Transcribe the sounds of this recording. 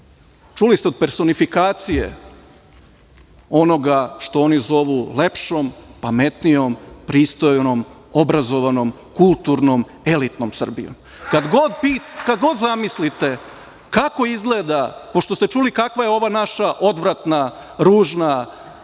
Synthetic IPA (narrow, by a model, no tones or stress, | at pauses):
t͡ʃulist̪eo̞d̪̚pe̞ɾso̞nifikaːt̪sijḛ | o̞no̞ɡaʃt̪o̞onizo̞ʋulepʃo̞mpame̞t̪nijo̞mpɾiːst̪ojnom | o̞bɾazo̞ʋanom | kulˠt̪uɾnom | e̞lit̪no̞msr̩bḭjo̰m | kad̪ɡod̪pikad̪ɡo̞d̪zamislit̪e̞ | kako̞izɡled̪apo̞ʃt̪o̞st̪e̞t͡ʃuːlikakʋaje̞o̞ʋanaʃaʔo̞d̪ʋɾat̪na | ɾuːʒna